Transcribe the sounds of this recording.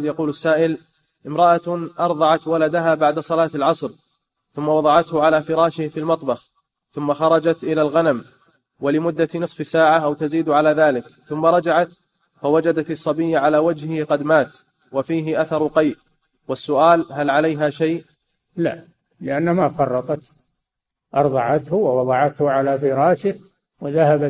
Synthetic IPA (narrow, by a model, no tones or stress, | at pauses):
jɑquːlasːaːʔɪl | ʔɪmɾˤɑʔaʔɑɾˤðˤɑʕɑt̪walad̪aɦaːbaʕd̪asˤɑlɑːt̪alʕɑsˤɾ | θʊmːawɑðˤɑʕɑt̪hʊʕalaːfɪɾˤɑːʃɪhfiːlmɑt̪ˤbɑx | θʊmːaxɑɾˤɑd͡ʒat̪ʔɪlalɣanam | walɪmʊd̪ːanɨsˤfsaːʕaʔawt̪aziːd̪ʕalaːðaːlɪkθʊmːaɾˤɑd͡ʒaʕat̪ | fawad͡ʒad̪at̪ɪsˤːɑbijːʕalaːwad͡ʒhɪqɑd̪maːt̪ | wafiːɦɪʔaθɑɾˤʊqɑjʔ | wasːʊʔaːlɦalʕalajɦaʃajʔ | la̰ʔ | lɪʔanːmafɑrˤːɑt̪ˤɑt̪ | ʔɑɾˤðˤɑʕɑt̪hʊwwɑðˤɑʕɑt̪hʊʕalafɪɾˤɑːʃɪh | wɪðahaba